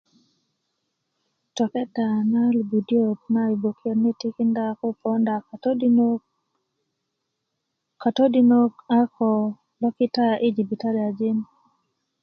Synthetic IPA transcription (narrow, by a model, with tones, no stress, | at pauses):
tɔ˨kɛ˦ta˨na˦lbu˨di˦o˦k̚na˦i˨bo˨kjo˨nɪ˦ti˦kɪ˦nda˦kɔ˦pɔ˦nda˨ | ka˨to˦di˦no˦ka˦kʰɔ˨ | lɔ˦kɪ˦ta˦ʔɪ˦d͡ʒi˨bi˨ta˦ɾi˨a˨d͡ʒɪ˦n